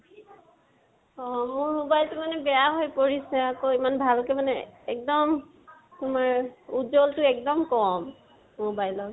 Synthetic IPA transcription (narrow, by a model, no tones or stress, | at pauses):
ɔmʊɹmobajltumanɛbɛjaɦojpoɹisɛakoimanbʱalkɛmanɛɛk̚dɔm | tʊmaɹud͡ʒoltʊɛk̚dɔmkɔm | mobajlɔk